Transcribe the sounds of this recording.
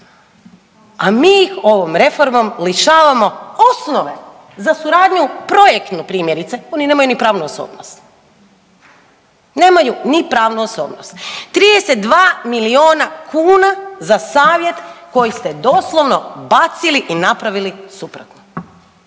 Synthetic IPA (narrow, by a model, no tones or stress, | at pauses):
amiːjixo̞ʋomɾe̞fo̞ɾmo̞mliʃaːʋamo̞osnoʋe̞ | zasuɾaːd̪ɲupɾo̞jekt̪nupɾiːmje̞ɾit̪seo̞nine̞ːmajunipɾaːʋnuoso̰ːbnost̪ | ne̞ːmajunipɾaːʋnuoso̰ːbnost̪t̪ːɾid̪eset̪̚d̪ʋaːmilio̞ːnakʰuːnazasaːʋje̞t̪ko̞jist̪ed̪o̞slˠo̞ʋno̞bat̪siliʔinapɾaʋilisupɾot̪no